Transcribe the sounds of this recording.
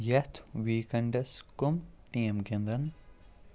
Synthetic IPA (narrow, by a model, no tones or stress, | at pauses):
jɐt̪ʰʋiːkɐɳɖɐskʊmʈiːemkend̪ɐn